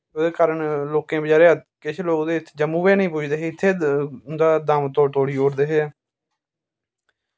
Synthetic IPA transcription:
od̪eːkaːɾəɳloːkẽːbəd͡ʒaːɾeːaːkɪt͡ʃʰloːkd̪eːɪt̪ʰːd͡ʒəmːũːʋeːnəĩːpʊd͡ʒd̪eːɦeːɪt̪ʰːeːd̪aːd̪aːmt̪oːt̪oːɽiːoːɾd̪eːɦeː

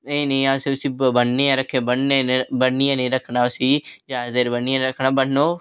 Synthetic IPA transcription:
eːnəĩãːsiʊsĩːbəɳniːãːɾəkʰːẽːbəɳnenːbəɽːijãːnẽːɾəkʰːnaːʊsiːd͡ʒaːzd̪eːɾbənːiːãːɾəkʰnaːbəɳnoː

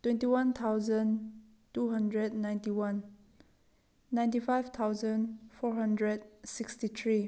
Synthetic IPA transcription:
twɛ̃ntiwãnt̪ʰawzə̃n | tuɦãndɹɛdnãjntiwãn | ãj̃ntifajvt̪ʰawzə̃nfɔɹɦãndɹɛd̚sikstit̪ʰɹi

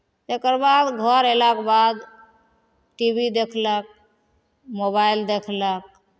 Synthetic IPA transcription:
t̪ekəɾbad̪ɡʱəɾelakbad̪ | ʈibid̪ekʰlək̚ | mobaild̪ekʰlək̚

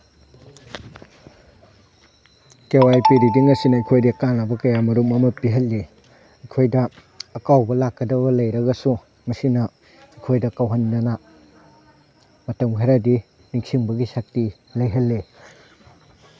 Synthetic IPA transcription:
kewajpiɾidiŋɐsinɐɐjkʰojdikanɐbɐkɐjamɐɾumɐmɐpiɦɐlːi | ɐjkʰojdɐː | kawbɐlakːɐdɐβɐlɐjɾɐɡɐsu | mɐsinɐ | ɐkʰojdɐkawɦɐndɐnɐ | mɐtɐmɦaɾɐdi | niŋsiŋbɐɡisak̚ti | lɐjɦɐlːe

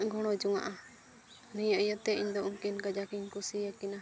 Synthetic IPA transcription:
ɡʱɔɽ̃ɔd͡ʒuŋa̰ʔa | nijəʔjət̪ɛiɲd̪ɔʔuŋkinkad͡ʒakiɲkusijakɛna

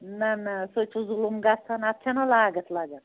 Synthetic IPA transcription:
nɐnɐsot͡ʃʰuzulumɡɐsʰɐnɐp̪̚t͡ʃʰɐnɐlaːɡɐt̪ʰlaɡɐt̪ʰ

